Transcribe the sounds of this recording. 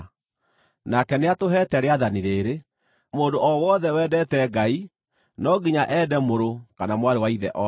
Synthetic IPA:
nakɛneatoɦɛtɛɾeaðaniɾeːɾe | moːdoʔɔwɔðɛwɛːdɛtɛɡai | nɔɡiɲaʔɛdɛmoɾokanamwaɾewaiðɛ̰ʔɔ

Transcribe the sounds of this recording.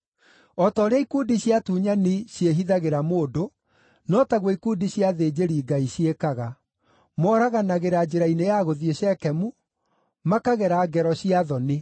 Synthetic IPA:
ɔtɔːɾeaikuːdiɕiatuːɲaniɕjeɦiðaɣeɾamoːdo | nɔtaɣwɔikuːdiɕjaðeːd͡ʑeɾiːɡaiɕjekaɣa | mɔːɾaɣanaɣeɾad͡ʒeɾainejaɣoðieɕɛkɛmu | makaɣɛɾaːɡɛɾɔɕiaðɔne

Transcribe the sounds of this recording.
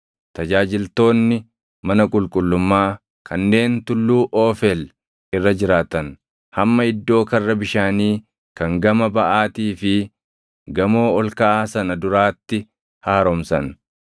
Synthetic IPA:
t̪ɐd͡ʒaːd͡ʒɪlt̪o̞ːnːɪ | mɐnɐkʼʊlkʼʊlːʊmːaː | kʰɐnːe̞ːnt̪ʊlːuːʔoːfɛl | ɪrːɐd͡ʒɪɾaːt̪ɐn | hɐmːɐɪd̪ːo̞ːkɐrːɐbɪʃaːniː | kɐŋɡɐmɐbɐʔaːt̪iːfɪ | ɡɐmo̞ːɔlkɐʔaːsɐnɐd̪ʊɾaːt̪ːɪ | haːɾɔmsɐn

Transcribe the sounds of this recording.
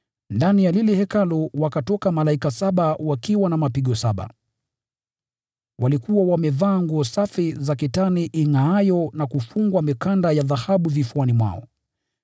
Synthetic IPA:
ndanijalilɛhɛkalɔwakatɔkamalaikasaɓawakiwanamapiɠɔsaɓa̰ | wʔalikuwawamɛvaːŋɡɔsafizakitaniʔiŋaajɔnakufuŋɡwamikandajaðahaɓuvifuanimwa̰ɔ̰

